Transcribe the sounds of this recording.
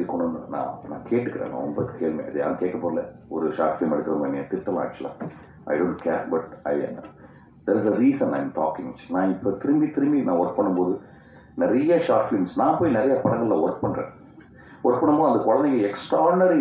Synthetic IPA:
ikɔɳɐnnã̰ːnã̰ːkʰeːʈːɯkːɪɾḛːŋla̰ːɾɔmbɐkeːlmḛːɐðɯja̰ːɾɯkeːʈkɐpoːɾlɛɔɾɯʃaːʈfɪlmɛɐɽɯkːɪɾɐðɯmɐnːɛ̃t̪ɪɾt̪ːɐlã̰ːɐt͡ʃːɐlã̰ː | ʔɐ̰ɪɖõːɳʈkʰeːɾbɐʈ̚ɐɪɛ̰n | d̪ɐɾɪsɐɾiːsɐnːaɪmʈɔ̰ːkɪ̃ŋɪt͡ʃːi̥nãːɪpːot̪ɪɾɯmbit̪ɪɾɯmbinãːʋɐɾk̚pɐɳːɯmpoːðɯ | nɛɾɐjɐʃaːʈfɪlmsnãːpoːjinɪɾɐjɐpɐɽɐŋɡɐɭlaːʋɐɾk̚pɐɳɾḛ̃ː | ʔɐɾk̚pɐɳːɯmpoːðɐnd̪ɐkɔɻɐnd̪ɪkɡɛksʈɾaːɾnɐɾi

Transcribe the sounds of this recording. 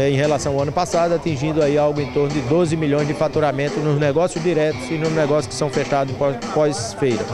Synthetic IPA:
ɛẽj̃helasɐ̃w̃awɐ̃nʊpasad̪ʊat̪ĩʒĩnd̪ʊaiawɡʊẽt̪oɾnʊd̪ɪd̪ozɪmiʎõj̃zd͡ʒɪfat̪uɾamẽnt̪ʊnʊznɛɡɔsjʊzd̪iɾɛt̪ʊzɪnʊznɛɡɔsjʊskɪ̥sɐ̃w̃feʃt̪ad̪ʊzpɔpɔsfejɾɐ̰

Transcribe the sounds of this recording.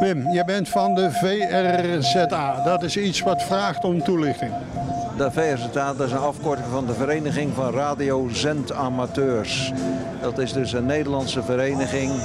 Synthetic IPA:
mɪmjəbɛntfɑndəvejɛrzɛtaːdɔtɪsitsʋɔtfraːxtɔmtulɪχtɪŋdəveɛɹzɛtaːdɪsənɑfkɔɹtɪŋvɑndəvəɾejnəɣɪŋvɑnraːdiowzɛntaːmatøːɹs | dɑtɪzdɵsənːejdəɹlɑnsəvəɾejnəɣɪŋ

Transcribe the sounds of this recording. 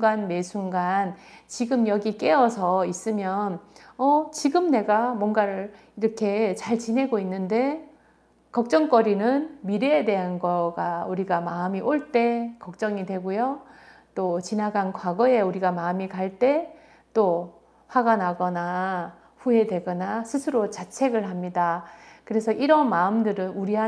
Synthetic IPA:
ɡanme̞sʰuŋɡant͡ɕiɡɯmjʌɡik͈e̞ʌsʰʌis͈ɯmjʌnʌt͡ɕiɡɯmne̞ɡamwʌnɡaɾɯ | iɾʌkʰe̞t͡ɕaɭt͡ɕinɦe̞ɡoinːɯnde̞ | kʌk̚t͡ɕ͈ʌŋk͈ʌɾinɯnmiɾeːde̞ɦanɡʌɡauɾiɡamaɯmiʔoɭt͈e̞kʌk̚t͡ɕ͈ʌŋidwe̞ɡojo | t͈ot͡ɕinaɡankwaɡʌe̞uɾiɡamaɯmikaɭt͈e̞ | t͈o | hwaɡanaɡʌna | ɸue̞dwe̞ɡʌnasʰɯsʰɯɾot͡ɕat͡ɕʰe̞ɡɯɭɦamɲidakɯɾe̞sʰʌʔiɾʌnmaɯmdɯɾɯnuɾiɦa

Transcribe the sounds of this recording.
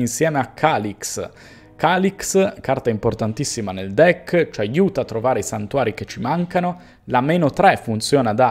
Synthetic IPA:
insjɛːmeakʰːaːliks | kaːlikskart̪aimport̪ant̪isːimaneld̪ɛkːt͡ʃajuːt̪at̪ːɾovaːɾeisant̪uwaːɾiket͡ʃːimaŋkano | lameːnot̪ɾɛfunt̪sjɔːnad̪a

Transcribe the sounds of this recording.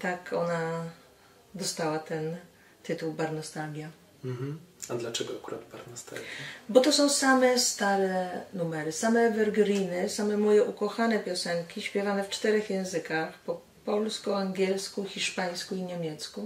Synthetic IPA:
t̪akʰɔna | d̪ɔst̪awat̪ɛn | t̪ɘt̪uwbaɾnɔst̪alɡʲja | ɦ̩ad̪lat͡ʂɛɡɔakuɾad̪baɾnɔst̪a̰lɡabɔt̪ɔsɔ̃w̃samɛst̪aɾɛnumɛɾɘsamɛvɛɾɡɾʲinɘsamɛmɔjɛʔukɔxanɛpʲjɔsɛŋkʲiɕpʲjɛvanɛft͡ʂt̪ɛɾɛxjɛ̃w̃zɘkaxpɔ | pɔlskuaŋɡʲjɛlskuxʲiʂpaj̃skuiɲɛmʲjɛt̪sku

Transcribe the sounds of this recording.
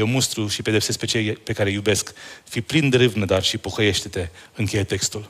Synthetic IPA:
jewmust̪ɾuʃipe̞d̪e̞psesk̚pe̞t͡ʃejpe̞kaɾejube̞skfiplind̪eɾɨvnəd̪arʃipoxəje̞ʃt̪et̪e̞ɨŋkʲe̞jet̪e̞kst̪ul

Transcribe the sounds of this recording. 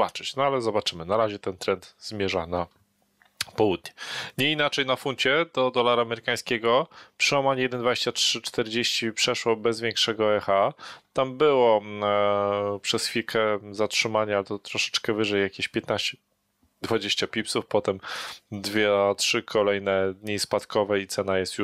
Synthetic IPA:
bat͡ʂɘt͡ɕnɔalɛzɔbat͡ʂɘmɘnaɾaʑɛt̪ɛnt̪ɾɛnd̪z̥mʲjɛʐana | pɔwud̪̚ɲɛɲɛinat͡ʂɛjnafunt͡ɕɛd̪̥ɔd̪ɔlaɾaːmɛɾɘkaj̃skʲɛɡɔpʂɨwamaɲɛjɛd̪ɛnd̪vad͡ʑeɕt͡ɕatʂɘt͡ʂt̪ɛɾd͡ʑeɕt͡ɕipʂɛʂwɔbɛzvʲjɛŋkʂɛɡɔɛxat̪ambɘwɔ | pʂɛsfʲilkʰɛzatʂɘmaɲalɛt̪ɔt̪ɾɔʂɛ̥t͡ʂkɛvɘʐɛjːakʲeɕpʲjɛt̪naɕt͡ɕɛ̥ | d̪vad͡ʑeɕt͡ɕapʲipsufpɔt̪ɛmd̪vʲjɛtʂɘkʰɔlɛjnɛd̪ɲispat̪kɔvɛit̪sɛnajɛst̪ju

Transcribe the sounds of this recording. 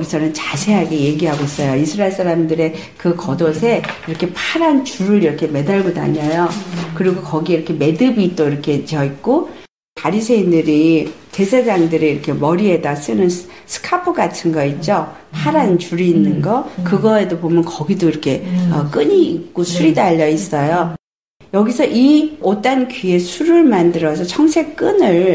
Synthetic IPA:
ʌɡisʰʌnɯnt͡ɕasʰe̞ɦaɡe̞je̞ɡiɦaɡois͈ʌjoisʰɯɾaeɭs͈aɾamdɯɾe̞ | kɯkʌdosʰe̞iɾʌkʰe̞pʰaɾant͡ɕuɾɯɾiɾʌkʰe̞me̞daɭɡoda̰ɲʌjokɯɾiɡokʌɡiiɾʌkʰe̞me̞dɯbit͈oiɾʌkʰe̞t͡ɕʌik̚k͈o | paɾisʰe̞indɯɾit͡ɕe̞sʰed͡ʑaŋdɯɾiiɾʌkʰe̞mʌɾie̞das͈ɯnɯnsʰɯ̥kʰapʰɯɡatʰɯnɡʌit̚t͡ɕ͈o | pʰaɾant͡ɕuɾiːnːɯnɡʌkɯɡʌe̞dobomjʌnkʌɡidoiɾʌkʰe̞ʌk͈ɯɲiːk̚k͈osʰuɾidaʎːʌis͈ʌjo | jʌɡisʰʌʔiot͈ankɥie̞sʰuɾɯɭmandɯɾʌsʰʌt͡ɕʰʌŋsʰe̞k̚k͈ɯnɯɭ

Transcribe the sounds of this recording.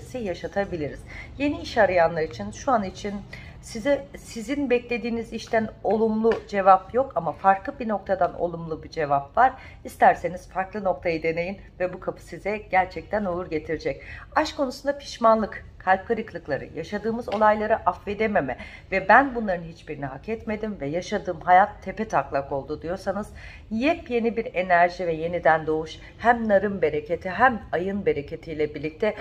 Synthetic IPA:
sijaʃat̪ʰabilʲiɾiz̥je̞niiʃaɾɯjanlˠaɾit͡ʃʰinʃuanit͡ʃʰin | sizɛsizinbɛclʲe̞d̪iːniziʃt̪ʰæno̞lˠumlˠud͡ʒe̞vapjo̞kamafaɾklˠɯbino̞k̚t̪ʰad̪ano̰lˠumlˠubid͡ʒe̞vapvaɾ̥ | ist̪æɾse̞niz̥faɾklˠɯno̞kt̪ʰajad̪e̞ne̞jinvɛbukʰapʰɯ̥sizɛɟ̥æɾt͡ʃʰɛc̚t̪ʰænouɾɟe̞t̪ʰiɾd͡ʒɛcaʃkʰo̞nusund̪apʰi̥ʃmanlˠɯk | kʰːalʲp̚kʰaɾɯklˠɯklˠaɾɯ̰jaʃad̪ɯːmɯzo̞lˠajlˠaɾɯʔafve̞d̪eme̞mɛvɛbænbunlˠaɾɯnhit͡ʃbiɾiniɦakɛt̪me̞d̪imvɛjaʃad̪ɯːmɦajat̪ʰːe̞pɛt̪ʰaklˠako̞lˠd̪ud̪ijo̞ɾsanɯz̥ | jɛpje̞nibiɾe̞næɾʒivɛje̞nid̪ænd̪o̞uʃ | hæmnaɾɯmbe̞ɾe̞ce̞t̪ʰiɦæmajɯnbe̞ɾecʰe̞t̪ʰijlʲɛbiɾlʲic̚t̪ʰɛ

